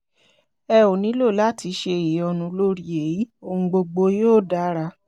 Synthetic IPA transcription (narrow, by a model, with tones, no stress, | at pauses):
ɛ˧o˨nĩ˨˦lo˦˨la˦tʰi˧˦ʃe˧˨i˨ɔ˧nũ˧lo˦ɾi˨e˨˦ji˨˦o˧ũ˧ɡ͡bo˧ɡ͡bo˧joː˦˨da˦ɾa˧